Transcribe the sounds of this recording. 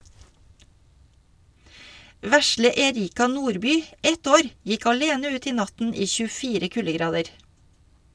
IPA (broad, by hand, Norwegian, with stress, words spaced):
ˈʋæslə ɛˈɾiːkɑ ˈnuːɾˌbyː ˈɛt ˈoːɾ ˈjɪk ɑˈleːnə ˈʉːt ˈiː ˈnɑtn̩ ˈiː çʉˈfiːɾə ˈkʉləˌɡɾɑːdəɾ